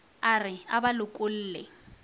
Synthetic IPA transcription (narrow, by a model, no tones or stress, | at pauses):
arɪabalʊkʼʊl̩ːlɛ